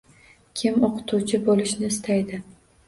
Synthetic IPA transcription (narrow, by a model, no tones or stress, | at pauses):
kʲʰɪmoqʰɨ̥t̪ʰut͡ʃʰɪbolɪʃnɪːst̪ʰajd̪ɪ